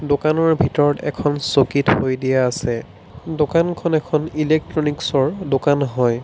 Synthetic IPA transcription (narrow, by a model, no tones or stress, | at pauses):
dokanɔɹbʱitɔɹɔtɛ̰kʰɔnsokithojdijaːsɛ | dokankʰɔnɛkʰɔnilek̚tɹɔniksɔɹdokanɦɔj